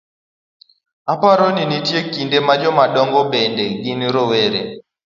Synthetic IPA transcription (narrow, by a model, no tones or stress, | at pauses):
apaɾɔninitjekindɛmad͡ʒɔmaɗɔŋɡɔɓɛndɛɡiniɾɔwɛɾɛ